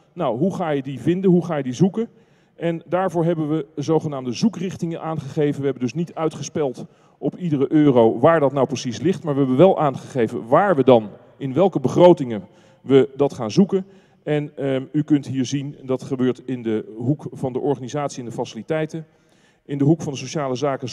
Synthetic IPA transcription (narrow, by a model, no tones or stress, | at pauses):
nawɦuχaːjədivɪndənɦuχaːjədizukən | ʔɛndaːɹvʊːɹɦɛbənʋəzowχənaːmdəzukrɪχtɪŋənʔaːnχəχejvənʋəɦɛbəndɵsnitœɥtχəspɛlˠt | ʔɔpidərəʔøːrowʋaːɹdɑtnawprəsislɪχtmaːɹʋəɦɛbənʋɛlˠʔaːnχəχejvə̰nʋaːɹʋədɑn | ɪnʋɛlˠkəbəχrowtɪŋən | ʋədɑtχaːnzukən | ɛnykɵntɦiːɹzindɑtχəbøːɹtɪndəɦukfɑndəʔɔɹχaːnizaːtsiɛndəfasɪlitɛjtən | ɪndəɦukfɑndəsoʃaːləzaːkə